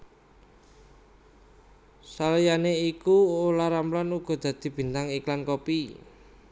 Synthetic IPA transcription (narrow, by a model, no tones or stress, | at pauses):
salijaneikuolaɾamplanuɡ̥ɔ̤d̪̥ä̤d̪̥i̤b̥i̤nt̪aŋiklankopi